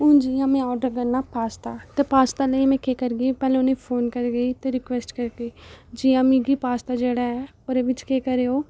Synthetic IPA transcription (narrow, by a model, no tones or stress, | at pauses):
ʊ̃ːd͡ʒiːãːmɛ̃ɔːɖəɾkəɾnaːpaːst̪aːt̪epaːst̪aːləimɛ̃ːkeːkəɾɡəiːpɛːlẽʊnẽːpʰoːnkəɾɡəiːt̪eɾɪkʋesʈkəɾɡeiːd͡ʒiːãmĩːɡiːpaːst̪aːd͡ʒeːɽaɛːoːɾeːʋɪt͡ʃkeːkəɾeːoː